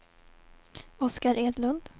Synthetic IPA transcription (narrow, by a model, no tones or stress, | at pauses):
ɔskaɾʔeːd̪lɵnd̪